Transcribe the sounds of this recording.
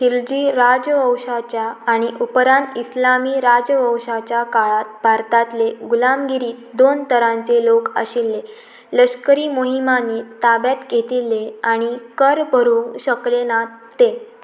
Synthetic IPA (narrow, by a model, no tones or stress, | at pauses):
ɕild͡ʑiːɾad͡ʑʋəwɕat͡ɕjaːɽ̃iʔupɾãnt̪ʰislamiːɾad͡zəʋəwɕat͡ɕjakaɭat̪̚bʱaɾt̪at̪leɡulamɡiɾiːd̪ont̪əɾãnt͡selokə̰ɕilːe | ləɕkəɾiːmoɦimanːiːt̪abjat̪ɡʱet̪ilːeaɽ̃ikəɾbʱəɾũɕəklenat̪ːe